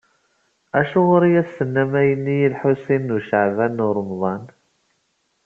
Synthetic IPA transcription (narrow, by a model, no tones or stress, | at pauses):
æʃuʁʊɾijæsːənːæmæjənːijilħusinːuʃəʕvænːʊɾˤəmðˤɑn